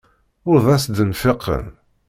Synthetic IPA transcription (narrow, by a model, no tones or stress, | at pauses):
ʊɾðˤæsd̪ənfeqʰːə̰n